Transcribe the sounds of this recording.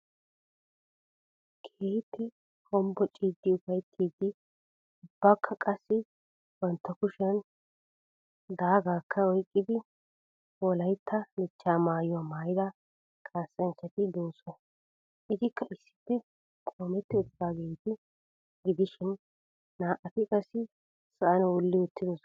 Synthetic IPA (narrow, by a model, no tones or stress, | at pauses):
kʰeːhɪt̪ːɪ | kʼɔmbɔt͡ʃʼiːd̪ːɪʊfɐjt̪ʰːiːd̪ɪ | ʊbːaːkʰːɐkʼɐsːɪ | bɐnt̪ːɐkʊʃɐn | d̪aːɡaːkːɐɔjkʼːɪd̪ɪ | ɔlɐjt̪ʰːɐlɪt͡ʃːaːmaːjʊamaːjɪd̪ɐ | kʼaːsɐnt͡ʃːɐt̪ɪd̪oːsɔ | ʔɪzɪkːɐʔɪsːɪ̥pːɛ | kʼoːmɛt̪ːɪʊb̪ːaːɡejt̪ɪ | ɡɪd̪ɪʃɪnː | aːʔɐt̪ɪkʼɐsːɪ | sɐʔɐnɐwɔlːɪwʊt̪ːɪd̪ɔs